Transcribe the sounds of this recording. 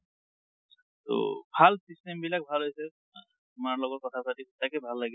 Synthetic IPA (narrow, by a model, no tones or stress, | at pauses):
t̪o̰bʱalsistembilak̚bʱalɦojsɛ | t̪umaɹlɔɡɔtkɔt̪ʰapatitakɛbʱalːaɡɛ